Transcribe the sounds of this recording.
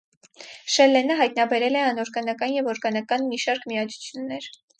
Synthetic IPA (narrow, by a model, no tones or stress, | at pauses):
ʃɛlɛnəɦɑjt̪nɑbɛɾɛlɛɑnɔɾɡɑnɑkɑnjɛvɔɾɡɑnɑkɑnmiʃɑɾkʰmiɑt͡sʰu̥t͡sʰjunːɛɾ